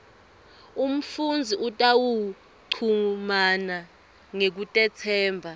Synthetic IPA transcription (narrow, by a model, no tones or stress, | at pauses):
um̩fund͡zʱiʔutʼawu | ǀʰumana | ŋek̬utʼɛt͡sʰɛːmbʱa